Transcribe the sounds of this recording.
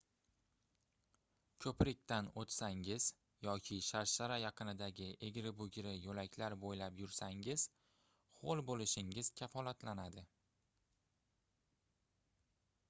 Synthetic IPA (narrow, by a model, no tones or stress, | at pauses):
kʲʰɵpɾɪk̚ʲt̪anot̪saŋɪz̥ | jɒkʲʰɪʃaɾʃaɾajɑqʰɨnɪd̪aɡʲɪʔe̞ɡʲɾɪbʊɡʲɾɪjɵlakʲʰlaɾbojlapjʊɾsaŋɪz̥ | χolˠbolɪʃɪŋɪz̥kʲʰafɒlat̪lanad̪ɪ